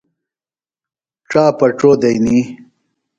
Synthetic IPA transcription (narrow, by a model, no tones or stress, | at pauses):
ʈ͡ʂaːpɐʈ͡ʂod̪ɐjni